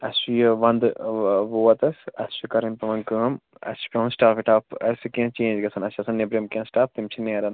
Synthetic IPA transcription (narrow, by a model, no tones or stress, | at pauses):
ɐsujʋɐnd̪ʋoːɐt̪ɐsɐ̰st͡ʃikɐɾɐmpɐʋɐnkəːm | ɐ̰st͡ʃi̥pʲeʋɐ̃nsʈaːfiʈaːpɐskẽːnt͡ʃẽːnd͡ʒɡɐsɐnɐst͡ʃiɐsɐnːebɾemkẽːnsʈaːp̚t̪imt͡ʃʰineːɾɐn